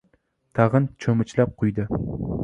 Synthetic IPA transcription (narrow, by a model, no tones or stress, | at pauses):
t̪ʰɑʁɨnt͡ʃʰɵmɪt͡ʃlap̚qʰʊjd̪ɪ